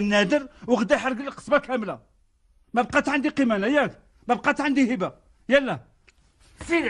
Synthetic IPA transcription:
nːæd̪əɾwəɣd̪æħɑɾˤɡəlqə̥smakæmlæ | mæb̚qɑt̪ʕand̪iqimænæjæk | mæb̚qɑt̪ʕand̪ihəbæ | jælːæ | si

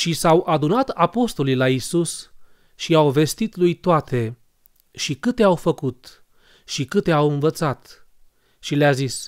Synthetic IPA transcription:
ʃisawʔad̪unat̪apo̞st̪o̞lijlaisus | ʃiawve̞st̪it̪lujt̪oat̪ʰe̞ | ʃikɨt̪eawfəkut̪ | ʃikɨt̪e̞awɨnvət̪sat̪ | ʃileazis

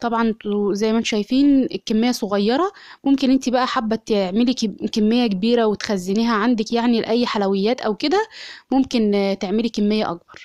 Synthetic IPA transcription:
t̪ˤɑbʕɑnzæjːmænt̪ʃæjfiːnekːemːejːæsˤoɣɑjːɑɾˤɑ | momkenʔent̪ibæʔæħabːæt̪eʕmelikemːejːækebiːɾæwet̪xæzːeniːɦæʕand̪ækjaʕnilʔæjːħalæwejːæːt̪ʔæwked̪æmomkent̪eʕmelikemːejːæʔɑk̚bɑɾˤ

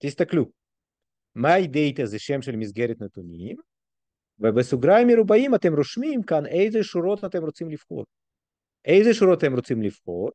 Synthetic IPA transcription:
t̪ist̪aklu | maid̪ejt̪azeʃemʃelmizɡeɾet̪net̪unʲim | vebesuɡɾaameɾubaimɐt̪emɾoʃmimkanejzeʃuɾo̞t̪ɐt̪emɾot͡simlifχo̞̰ɾ | ejzeʃuɾoat̪emɾot͡simlifχo̞ɾ

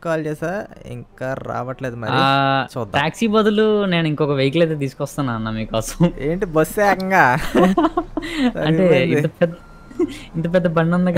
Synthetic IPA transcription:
kaːlt͡ʃeːsaːḭŋkaːɾa̰ːʋɐʈleːd̪umɐɾiat͡ʃuːd̪ːaːksiːbɐd̪ulune̞ːniŋkɔkɐʋejɐk̬ulɐjt̪eːt̪̬iːsukʋɐst̪aːnaːnːɐmikɔːsɐ̥meːɳʈibɐsːɛːkɐŋɡaː | ɐɳʈe̞ːint̪ɐpɛd̪ | int̪ɐp̬ɛd̪ːɐbɐɳɖɐnd̪ɐɡ

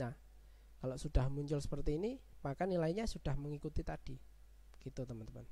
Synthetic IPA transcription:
a | kaloʔsud̥ahmuɲt͡ʃʊlsə̥pərt̪iːnimakanilaiɲasud̥ahməŋikut̪it̪ad̥i | kit̪ut̪əmənt̪əman

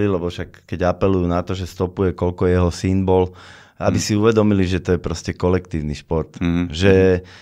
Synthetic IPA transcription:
ilɛbɔfʃakːɛɟapɛlujunat̪ɔʒɛst̪ɔpujɛkɔʎkɔjɛɦɔsimbɔl | a̰bisiuʋɛd̪ɔmiliʒɛt̪ɔjɛpɾɔscɛkɔlɛkt̪iːʊniʃpɔɾt̪ʒɛ

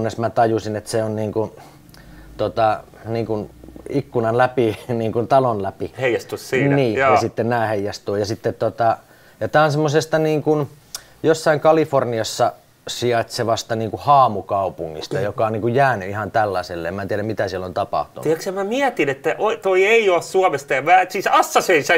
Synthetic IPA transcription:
nːesmæt̪ɑjusinet̪seonniːŋkun | t̪ot̪ɑ | niːŋkunikːunɑnlæpiniːŋkunt̪ɑlonlæpiheijɑst̪ussiːnniːɑsit̪ːennæːheijːɑst̪uːjɑsit̪ːet̪t̪ːot̪ɑ | jɑt̪æːonsemːosest̪ɑniːŋkun | josːɑiŋkɑliforniɑsːɑ | siɑt̪seʋɑst̪ɑniːŋkuhɑːmukɑupuŋːḭst̪ɑjokɑoniːŋkujjæːnyihɑnt̪ælːɑselːḛemæːt̪iæɾæmit̪æsiɛlːont̪ɑpɑ̰ht̪un̰uiɛksemmæmiɛt̪inet̪ːæʔot̪oieiossuɑmest̪ɑjɑmæːsiːsɑsːɑseinsæ

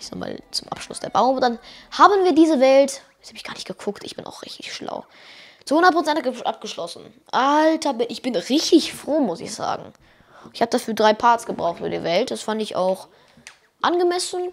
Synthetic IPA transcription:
z̥o̰ːma̰ːlt͡sʊmʔa̰pʃlʊ̰sd̥eːɐbaʊmnd̥anhaːbənviːɐdiːzəvɛltjɛt͡shaːbɪçɡ̥aːɐnɪçtɡ̥əkʰʊktɪçb̥ɪnʔa̰ʊxʁ̥ɪ̰çtɪ̥çʃla̰ʊ | t͡suhʊndɐtpʁ̥ot͡sɛntɡəʔa̰p̚ɡ̥əʃlɔsn̩ | ʔaltʰɐbɪʔɪçb̥ɪnʁɪçtɪçfʁ̥oːmʊsɪ̰çz̥a̰ːɡŋ̩ | ɪçhaːbədafyːɐdʁaɪpʰaːɐtsɡ̥əbʁaʊxχtfyːbɐdḭːɐvɛltd̥asfandɪça̰ʊx | ʔanɡəmɛsn̩

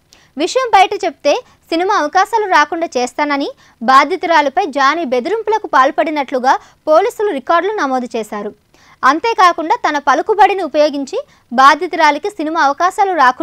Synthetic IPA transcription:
ʋiʂɐjɐmbɐjʈɐt͡ʃe̞bu̥t̪e̞ː | sinimaːɐʋɐkaːʃaːluɾaːkuɳɖaːt͡ʃɛːst̪aːnɐni | baːd̪ʱjɐt̪uɾaːlɐpɐjd͡ʒaːnibe̞d̪uɾimpulɐkupaːlpɐɽinɐʈluɡaː | po̞ːliːsuluɾikaːɾɖlunɐmoːd̪ut͡ʃɛːʃaːɾu | ɐnt̪e̞ːkaːkuɳɖaːt̪ɐnɐpɐlukubɐɽiniupɐjoːɡiɲt͡ʃi | baːd̪ʱjɐt̪uɾaːlɐkisinimaːɐʋɐkaːʃaːluɾaːku

